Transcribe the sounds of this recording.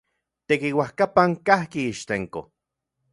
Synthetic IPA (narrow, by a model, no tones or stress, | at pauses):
t̪ekiwahkapaŋkahkiiʃt̪eŋko̰